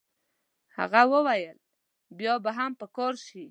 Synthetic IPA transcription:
ha̰ɣawəwajəl | bjɑbaɦampəkɑɾʃi

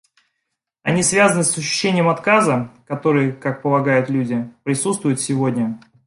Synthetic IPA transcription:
ɐnʲisvʲazənɨsəɕːʉ̥ɕːenʲɪjəmɐt̪kazəkɐt̪o̞ɾɨjəkak̚pəlˠɐɡajʊt̪lʲudʲɪpɾʲɪsut̪st̪vʊjʊt̪sʲɪvo̞dʲnʲə

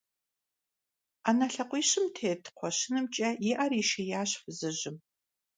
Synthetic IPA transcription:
aːnɐɬɐqʷʼiːɕɪmtʰeːtʰqʷʰɔɕɪnɨmt͡ʃʼɐjɪʔɐriːʃɐjaːɕfɨzɨʑɪm

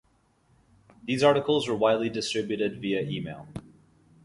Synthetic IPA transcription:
ðizɑɹɾəkl̩ˠzwə˞waɪdˡlidɨstɹ̥ɪbjʉɾɪdviɨʔimeɪlˠ

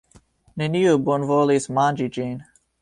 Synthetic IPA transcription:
neniubonvolismand͡ʒid͡ʒin

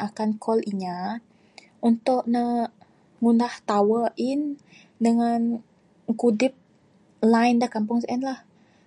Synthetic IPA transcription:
akankʰɔlʔiɲa | ʔunt̪ʊʔnə | ŋundaht̪awəʔɪn | dəŋan | kudɪp̚ | lajndahkampʊŋsɛnlah

